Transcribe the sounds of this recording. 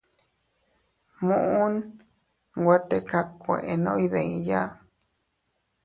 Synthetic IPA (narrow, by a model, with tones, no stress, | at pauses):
mũ˧˨ʔũ˦n | ɡʷwa˦t̪e˦ka˧kʷẽ˨ʔe˨nõ˦i˧ðẽ˨ĩ˧ja˦